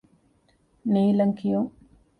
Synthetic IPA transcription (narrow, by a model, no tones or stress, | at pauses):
niːlɐŋkijuŋ